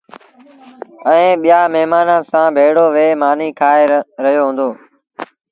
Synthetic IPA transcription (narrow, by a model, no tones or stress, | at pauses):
ə̃ːɓɪjaːmeɦmaːnãːsãːbʱeːɽoːʋeːmaːniːkʰaːeːɾəɦijoːɦũːnd̪oː